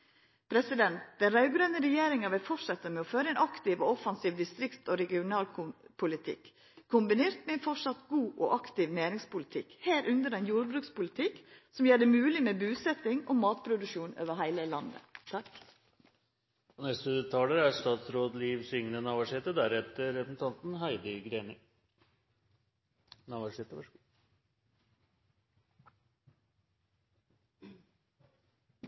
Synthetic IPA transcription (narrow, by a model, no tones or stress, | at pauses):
pʰɾɛsɪd̪ɛnt̪d̪̥ɛnɾɑʉɡɾœnəɾɛjeːɾɪŋɑʋɪlfɔʂɛt̪ːəmɛɔføːɾəɛnʔɑkt̪ɪːʋoɔfɑnsiːʋd̪ɪst̪ɾɪkt̪ɔɾɛɡɪʊnɑːlpʰʊlɪt̪ʰɪ̰k | kʰːʊmbɪneːɾt̪mɛɛnfɔʂɑt̪ɡuːʔɔ̰ʔɑkt̪ɪʋneːɾɪŋspʊlɪt̪ʰɪkheːɾʔʉnd̪əɾɛɪnjuːɾbɾʉːkspʊlɪt̪ʰɪksɔmjeːɖɛmʉːlɪmɛbʉːsɛt̪ɪŋɔmɑːt̪pʰɾʊd̪ʉʂuːnø̰ːʋəɦæɪləlɑnd̪ə̰t̪ʰɑk | ɔnɛst̪ət̪ʰɑləɾæʂt̪ɑːt̪sɾoːd̪liːʋsʏŋnənɑːʋæʂɪt̪əd̪æɾɛt̪əɾɛpəsn̩t̪ʰɑnt̪n̩ɦæɪd̪əɡɾeːnə | nɑʋɑʂɪt̪əʋɑ